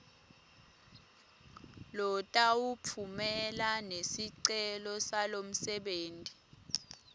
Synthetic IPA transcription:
lɔtʼawupʰumɛlanesiǀɛlɔsalom̩sɛɓeːntʼi̥

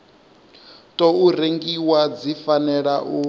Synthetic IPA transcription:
tʼɔuɾeŋɡiwad͡zifanɛɺaʔu

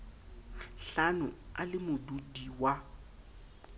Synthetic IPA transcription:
ɬanʊalɪmʊdudiwa

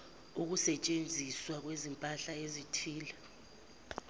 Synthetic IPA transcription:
uk̬usɛt͡ʃʼend͡zʱiswak̬wezimpʼaɬaezitʰiːla

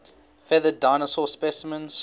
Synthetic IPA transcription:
fɛðədaɪnəsɔspɛsəmə̃nz̥

